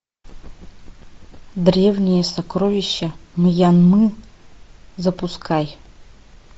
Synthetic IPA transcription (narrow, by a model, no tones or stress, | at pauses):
d̪ɾʲevnʲɪjəsɐkɾovʲɪɕːɐmɨjanmɨ | zɐpʊskʰaj